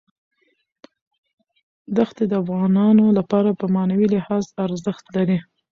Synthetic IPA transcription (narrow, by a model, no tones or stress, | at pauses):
d̪axt̪ed̪əafɣɑnɑnolapɑɾapəmɑnawilɪhɑzaɾzəxt̪laɾi